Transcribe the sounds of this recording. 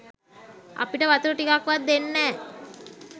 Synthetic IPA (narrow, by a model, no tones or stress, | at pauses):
a̰piʈəʋat̪uɾəʈikakʋat̪̚d̪enːɛː